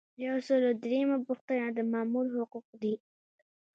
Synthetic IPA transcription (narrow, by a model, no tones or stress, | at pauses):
jawsəlod̪ɾemabʊxt̪anad̪əmɑmulhʊquq̚d̪i